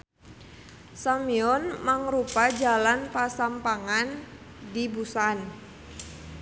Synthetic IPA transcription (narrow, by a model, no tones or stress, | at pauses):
samiɔnmaŋrupad͡ʒalanpasampaŋan | dibusan